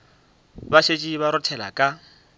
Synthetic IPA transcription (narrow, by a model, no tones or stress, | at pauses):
baʃet͡ʃʼiβaɾʊtʰɛla̰kʼa